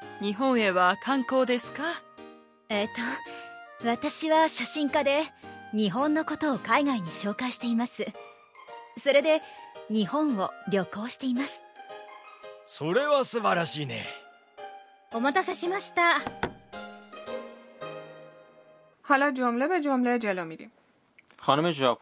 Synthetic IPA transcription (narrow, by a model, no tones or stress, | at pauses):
ɲ̟iɦõ̞ɰ̃e̞βakʰãŋko̞ːd̪e̞sɨ̥ka | et̪o | βat̪aɕiβaɕaɕĩŋkad̪e̞ɲ̟iɦõ̞nːo̞ko̞t̪o̞ːkaiɡaiɲ̟iɕo̞ːkaɕi̥t̪e̞imasɨ | so̞ɾe̞d̪e̞ɲ̟ihõ̞ɰ̃o̞ɾʲjo̞ko̞ːɕi̥t̪e̞imasɨ̥ | soɾe̞βasɨbaɾaɕiːnḛ | o̞mot̪asaɕimaɕi̥t̪a | hɑlɑd͡ʒomlebed͡ʒomled͡ʒelɔmiɾḭm | xɒːnomeʒɒːpʰ